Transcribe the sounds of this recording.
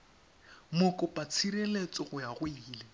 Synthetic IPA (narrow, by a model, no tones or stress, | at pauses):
mʊkʼʊpʼat͡sʰirelet͡sʼɔɣʊjaɣwiːle